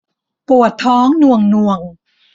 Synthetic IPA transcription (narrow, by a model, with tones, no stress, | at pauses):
pu˨˩ət̪ʰːɔː˦˥ŋnu˨˩əŋnu˨˩əŋ